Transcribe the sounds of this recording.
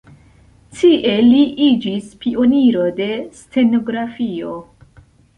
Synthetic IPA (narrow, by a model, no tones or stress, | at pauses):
tiʔe̞liʔid͡ʒispio̞niɾo̞de̞st͡se̞no̞ɡɾafio̞